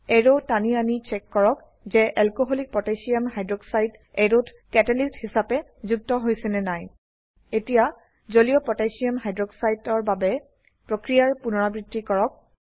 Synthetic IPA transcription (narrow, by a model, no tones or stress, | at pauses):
ɛɹotanianit͡ʃɛkːɔɹɔk | zɛʔɛlkoɦolik̚pɹɔtasiamɦajdɹɔksajd | ɛɹot | kɛtɛlisthisapɛ | zuk̚tɔɦojsɛnɛnaj | etija | zolijɔpɹɔtajsiamɦajdɹɔksajtɔɹbabɛ | pɹokɹijaɹpunɔɹabɹitːikɔɹɔk̚